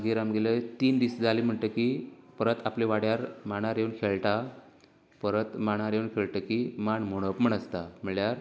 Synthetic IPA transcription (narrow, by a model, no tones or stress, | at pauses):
ɡiɾamɡelət̪iːnd̪isd͡zalim̤əɳʈ̪əkipəɾət̪apliʋaɽjaɾmaɽ̃aɾjewnkʰeɭʈa | pəɾət̪maɽ̃aɾjewnkʰeɭʈ̪əkimaɳmoɽ̃əpəɳəst̪amiɭjaɾ